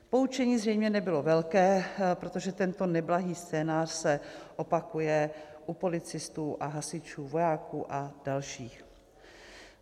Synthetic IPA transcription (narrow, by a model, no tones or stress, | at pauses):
po̞ut͡ʃɛɲiːzrɛjmɲɛnɛbɪlo̞vɛlkɛːpɾot̪o̞ʒɛt̪ɛnt̪o̞nɛblaɦiːst͡sɛːnaːr̥sɛʔo̞pakujɛʔupo̞lɪt͡sɪst̪uːʔaɦasɪt͡ʃuːvo̞jaːkuːʔad̥alʃiːx